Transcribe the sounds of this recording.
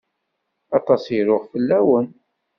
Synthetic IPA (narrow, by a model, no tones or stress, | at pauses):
ɑt̪ˤɑsjɾʊʁfəlːæwən